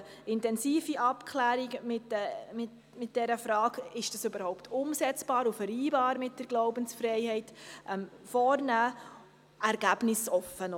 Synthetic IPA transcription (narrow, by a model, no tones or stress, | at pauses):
ɪntɛnsiːfiʔɑpkʰlæːɾiɡmɪtɛmɪt | mɪt̚d̥ɛɾəfɾɑːɡɪʃd̥ɑsøbəɾhɔʊptʰʊmsɛt͡sb̥ɑːɾufəɾiːbɑːɾmɪt̚d̥əɾɡ̥loʊbənsfɾɛɪhɛɪtʔɛm | fɔːɾnæː | ɛɾɡ̥æb̥nɪsɔfːən